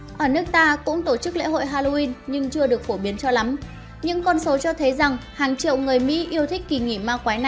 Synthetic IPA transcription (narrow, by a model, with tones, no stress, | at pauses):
ʔəː˧˩nɨ˦˥ək̚t̪aː˧kʊ̰˧˥ŋ͡mt̪o˧˩t͡ɕɨ˦˥k̚lḛ˧˥ɦo̰˧˨jɦaː˧lo˧i˧nɲɨ˧ŋt͡ɕɨ˧əɗɨ˨˩ək̚fo˧˩ɓi˨˦ənt͡ɕɔ˧la˨˦m | ɲɨ̰˧˥ŋkɔ˧nso˨˦t͡ɕɔ˧t̪ʰə˨˦jza˨˩ŋhaː˨˩ŋt͡ɕḭ˧˨əwŋɨ˨˩əjmḭ˧˥ʔi˧əwt̪ʰi˦˥k̟̚ki˨˩ŋi˧˩maː˧˩kwaː˨˦jna˧˩